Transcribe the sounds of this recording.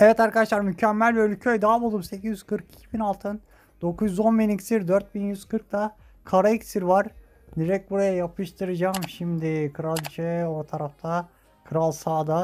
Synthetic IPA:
ɛvɛt̪aɾkʰad̪aʃlˠaɾmycʰɛmːælʲølʲcʰøjd̪aːabulˠumsecʰizjyz̥kɯɾki̥cʰibinalˠt̪ʰɯn | d̪̥o̞kʰuzzonbiniksiɾd̪øɾt̪̚binjyz̥kʰɯɾk̚t̪ʰa | kʰaɾaicsiɾvaɾ | d̪iɾɛc̚buɾajajapʰɯʃt̪ʰɯɾɯd͡ʒaːmʃimd̪ɪkʰɯɾalʲˠt͡ʃʰɛoɾt̪ʰaɾaft̪ʰa | kʰɯɾalˠsaːd̪a

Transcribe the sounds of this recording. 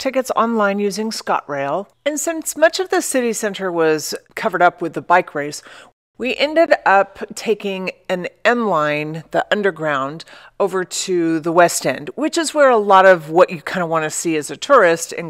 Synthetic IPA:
tʰɪkɨtsɑ̰̃nlãɪ̃njʉzɪ̃ŋskɑ̰ʔ̚ɹeɪlˠ | ɨ̃nsɪ̃nsmʌt͡ʃʌvðɨsɪɾisɛ̃ntə˞wʌz̥kʰʌvə˞ɾʌpwɨðəbaɪkʰɹeɪs | wiʔɛ̃ndɨɾʌptʰeɪkɪ̃ŋɨ̃nɛ̃nlãɪ̃nðiʔʌ̃ndə˞ɡɹãʊ̃nd | oʊvə˞ɾʉðəwɛstɛ̰̃nd̚wɨt͡ʃɨzwə˞əlɔɾʌvwʌt͡ʃɨkʰãɪ̃ndəwɑ̃nɨsiɨzɨtʰʊɹɪstɨ̰̃n

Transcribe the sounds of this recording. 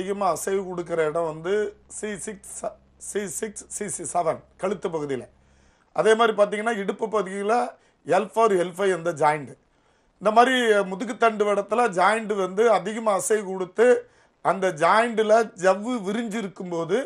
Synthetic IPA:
ɪɣɐmaːɐsɐɪkɔɽɯk̬ːɪɾɐɪɽɐ̃ʋɐnd̪ɯsisɪks | sisɪksːisisɛʋɐnkɐɻɯt̪ːɯp̬ːɐɣɯðɪjɪlɐ | ʔɐðeːmaːd̪ɾipaːɾt̪iŋɡɐnːaːɪɽɯpːɯpːɐɣɯɯɣɪjɪlɐ | ɛlfɐːɾɛlfɐɪɛnd̪ɐd͡ʒaːjɪɳɖɯ | ɪnd̪ɐmaːd̪ɾimʊðɯk̬ːɯt̪ːɐɳɖɯʋɪɽɐt̪ːɪlɐd͡ʒaːjɪɳɖɯʋɐnd̪ɯɐðɪɣɐmaːɐsɐɪkɔɽɯt̪ːɯ | ɐnd̪ɐd͡ʒaːjɐɳɖɪlɐd͡ʒɐʋːɯʋɪɾɪɲd͡ʒɪɾɯkːɯmpoːðɯ

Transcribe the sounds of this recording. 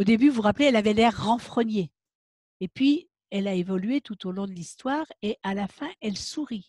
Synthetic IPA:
od̪ebyvuʁapleɛlavɛlɛʁːɑ̃fχənje | epɥi | ɛlaevɔlyet̪ut̪olɔ̃d̪əlist̪waːʁeʔalafɛ̃ʔɛlsuʁi

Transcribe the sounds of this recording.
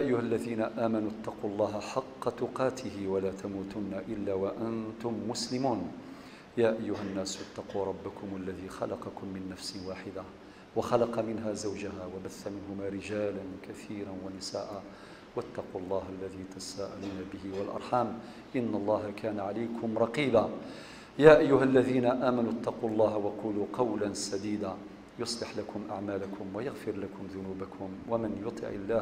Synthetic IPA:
jaʔajːʊhalːaðiːnaʔaːmanut̪ːɑquːlˤːɑːɦaħɑqːɑt̪ʊqɑːt̪ʰɪhɪwalaːt̪ʰamuːt̪ʊnːaʔɪlːaːwaʔant̪ʊmːʊslɪmuːn | jaːʔajːʊɦanːaːsat̪ːɑquːɾˤɑbːakʊmʔalːaðiːxɑlɑqɑkʊmːɪnːafsɪwaːħɪd̪a | waxɑlɑqɑmɪnɦaːzawd͡ʒaɦaːwabaθːamɪnɦʊmaːɾɪd͡ʒaːlankaθiːɾanwanɪsaːʔaː | wat̪ːɑqulˤːɑːɦalːaðiːt̪asaːʔa̰luːnabɪhɪwɑlʔɑ̰ɾˤħaːm | ʔɪnːɑlˤːɑːɦakaːnaʕalajkʰʊmɾˤɑqiːbaː | jaːʔajːʊɦalːaðiːnaʔaːmanut̪ːɑquːɑlˤːɑːɦwɑquːluːqɑwlansad̪iːd̪aː | jʊsˤlɪħlakʰʊmʔa̰ʕmaːlakʰʊmwajɑɣfɪɾlakʰʊmðʊnuːbakʰʊmwamɪnjʊt̪ˤʰɨ̰ʕɪ̰lːaːh

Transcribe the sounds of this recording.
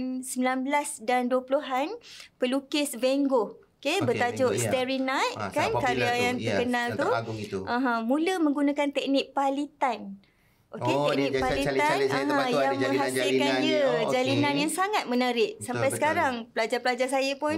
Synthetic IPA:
nsəmbilanbəlasdanduəpuluɦanpəlukɪsveŋɡookebət̪ad͡ʒʊʔ̚st̪ɛɾinat̪̚kankaɾiajaŋt̪əkənalt̪uʔãɦãmũləmə̃ŋɡunãkant̪ɛk̚nɪk̚palit̪an | ʔoket̪ɛk̚nɪk̚palit̪anaɦãjaŋmə̃ŋɦasɪlkandiəd͡ʒalinanjaŋsaŋat̪̚mə̃naɾɪʔsammpajsə̥kaɾaŋpəlad͡ʒarpəlad͡ʒasajəpʊn

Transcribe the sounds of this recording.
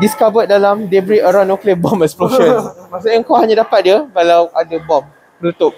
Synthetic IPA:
diskabədalamdebɾiʔəɾanoklebɔmɛksploʃə̃nmas̬aəŋkawɦaɲadapat̪̚diəbalawʔadabɔm | pəlut̪ʊp̚

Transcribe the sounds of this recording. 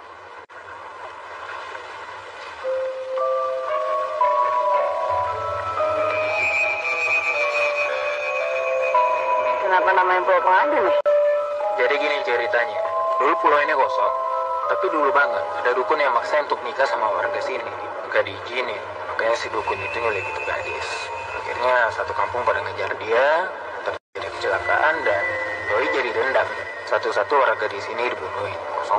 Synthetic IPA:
kənapanamaɲapɔɛpaŋadun | d͡ʒadikinit͡ʃəɾit̪aɲaduipulainikɔsɔŋt̪ːapidulubaŋət̪̚adadukʊnjaŋmaksaunt̪ʊk̚nikasamawa̰rɡasini | ɡadid͡ʒini | makaɲasidukʊnit̪uŋad͡ʒadit̪uɡa̰dɪ̰s | a̰kḭrɲasat̪ukampʊŋpadaŋəd͡ʒardia | t̪ard͡ʒadikə̥t͡ʃəlaka̰ʔandandoid͡ʒadidəndak̚ | sat̪usat̪uwaɾɡadisinidipudoi | kɔ̰sɔ

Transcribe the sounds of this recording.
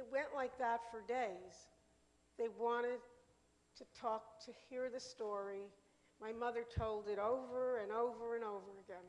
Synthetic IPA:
ɨt̚wɛ̃nʔlaɪk̚ðətfə˞deɪz̥ | ðeɪwɑ̃ɾ̃ɪd̚ | tʰɨtʰɔk̚tʰɨhiɹðɨstɔɹi | maɪmʌðə˞tʰoʊlˠdɨɾoʊvə˞ɨ̃noʊvə˞ɨ̃noʊvə˞ɨɡɛ̃n

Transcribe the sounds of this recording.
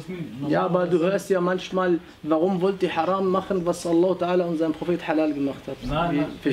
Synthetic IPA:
jaːbad̪uːhøːɐst̪jaːmanʃmaːl | vɑɣʊmvʊlt̪iħɑɾˤɑːmːaxənvasʔɑlˤːɑːht̪aʕaːlaʔʊnzajnpɾofeːt̪ħalaːlɡəmaxt̪hat̪fifi

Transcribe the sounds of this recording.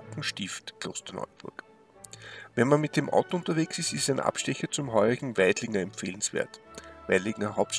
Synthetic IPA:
kŋ̩ʃtɪftkʰl̥o̰ːstɐnɔ̰ʏb̥ʊɐk | vɛnmanmɪt̚d̥emʔa̰ʊtoʊntɐveːksɪstɪstæɪnʔa̰pʃtɛçɐt͡sʊmɦɔʏʁɪɡŋ̩væɪdlɪŋɐɛmpfeːlən̩sv̥ḛːɐtvæ̰ɪlɪŋɐɦaʊp̚t

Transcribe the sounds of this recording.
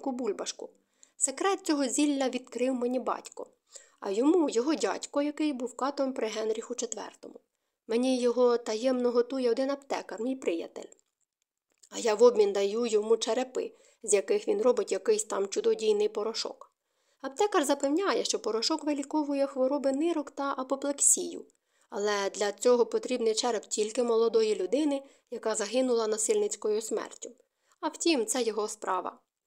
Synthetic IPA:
kʊbulʲbɐʃkʊ | sekɾɛt̪̚t͡sʲɔɦɔzʲilʲːɐʋʲid̪kɾɪwmenʲibɑ̰tʲkɔ̰ | ɐ̰jɔmujɔɦɔdʲɑ̰tʲkɔjɐkɪjbuwkɑt̪ɔɾɔmpɾɪɦɛnɾʲixʊt͡ʃet̪ʋɛ̰rt̪ɔmʊ | menʲijɔɦɔt̪ɐjɛmnɔɦɔt̪ujɛɔd̪ɪnɐpt̪ɛkɐrmʲijpɾɪjɐ̰t̪ḛlʲ | ɐjɑʋɔbʲmʲind̪ɐjujɔmut͡ʃɐɾepɪ̰ | zʲjɐkɪxʋʲinrɔbɪtʲjɐkɪjsʲt̪ɑmt͡ʃʊd̪ɔdʲijnɪjpɔɾɔʃɔ̰k | ɐpt̪ɛkɐrzɐpewnʲajɛʃt͡ʃɔpɔɾɔʃɔkʋelʲikɔʋʊjɛxʋɔɾɔbɪnɪɾɔkt̪ɐʔɐpɔplˠeksʲijʊ̰ | ɐlˠɛd̪lʲɐt͡sʲɔɦɔpɔt̪ɾʲibnɪjt͡ʃɛɾɛptʲilʲkɪmɔlˠɔd̪ɔjilʲʊd̪ɪnɪ | jɐkɑzɐɦɪnʊlˠɐnɐsɪlʲnɪt͡sʲkɔjʊsmɛ̰rtʲʊ | ɐwtʲimt̪sɛjɔɦɔspɾɑʋɐ̰

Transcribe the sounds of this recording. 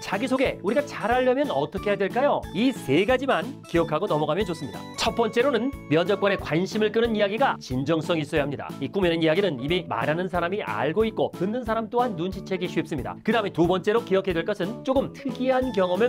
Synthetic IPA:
t͡ɕaɡisʰoɡe̞uɾiɡat͡ɕaɾaʎːʌmjʌnʌt͈ʌkʰe̞jadwe̞ɭk͈ajoisʰe̞ɡad͡ʑimankijʌkʰaɡonʌmʌɡamjʌnt͡ɕos͈ɯmɲida̰t͡ɕʰʌt̚p͈ʌnt͡ɕ͈e̞ɾonɯnmjʌd͡ʑʌk͈ane̞kwanɕʰimɯɭk͈ɯnɯnijaɡiɡat͡ɕind͡ʑʌŋs͈ʌŋis͈ʌjaɦamɲida̰ik͈umenɯnijaɡinɯnimima̰ɾanɯnsʰaɾamiʔa̰ɭɡoit̚k͈okɯndɯns̬ʰaɾamt͈oɦanːunɕʰit͡ɕʰe̞ɡiɕʰuip̚s͈ɯmɲida̰kɯdametubʌnt͡ɕ͈e̞ɾokijʌkʰe̞dweɭk͈ʌsʰɯnt͡ɕ͈oɡɯmtʰɯɡiɦankjʌŋʌmɯɭ

